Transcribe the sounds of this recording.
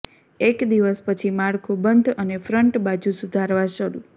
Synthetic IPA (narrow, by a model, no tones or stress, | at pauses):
ekd̪iʋəspət͡ʃʰimaɽkʰobənd̪ʱənefɾəɳʈbad͡ʒũsud̪ʱaɾʋaʃəɽṵ